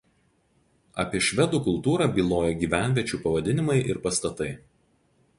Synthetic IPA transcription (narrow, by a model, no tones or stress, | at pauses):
ɐ̰pʲiɛʃʲʋʲɛd̪uːkʊlˠˑt̪uːɾɑbʲiːlˠoːjɛɡʲiːʋʲæˑnʲʋʲiɛt͡ʃʲuːpɐʋɐd̪ʲɪnʲɪmɐɪʔɪɾpɐst̪ɐt̪ɐɪ